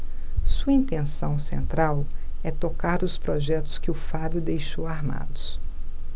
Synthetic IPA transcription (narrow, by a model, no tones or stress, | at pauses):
suɐĩnt̪ẽsɐ̃w̃sḛ̃nt̪ɾawɛt̪okaɾɾʊspɾɔʒɛt̪ʊ̥skɪʊfabjʊd̪ejʃowaɾma̰d̪ʊs